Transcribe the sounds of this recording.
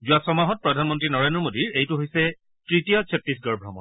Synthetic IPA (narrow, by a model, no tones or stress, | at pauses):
zʊasɔmaɦɔt̚pɹɔdʱanmɔntɹinɔɹendɹɔmodiɹejtuɦojsɛ | tɹitijɔsʰetɹisɡɔɹbʱɹɔmɔ̰n